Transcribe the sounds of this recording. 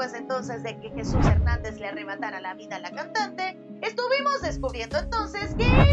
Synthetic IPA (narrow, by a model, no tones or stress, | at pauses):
wezent̪o̞nse̞zðe̞ke̞xe̞suseɾnand̪e̞zleare̞βat̪aɾalaβiðalakant̪ant̪e̞ | est̪uβimo̞zðe̞skuβɾje̞nd̪oent̪o̞nse̞ske